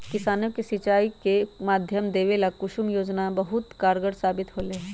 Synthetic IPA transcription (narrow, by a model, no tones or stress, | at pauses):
kɪsaːnokesɪt͡ʃaːikemaːd̪ʱjəmd̪eːʋelakʊʃumjoːd͡ʒnabəɦʊt̪kaːɾɡəɽsaːbɪt̪ɦoːle